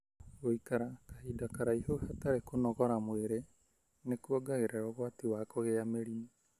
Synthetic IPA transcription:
ɣoikaɾakḁhidakaɾaihohataɾekonɔɣɔɾamweɾe | nekuɔɡaɣeɾɛɾɔɣwatiwakɔɣeameɾini

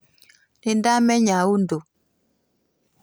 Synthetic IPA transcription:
nindamɛɲawundo

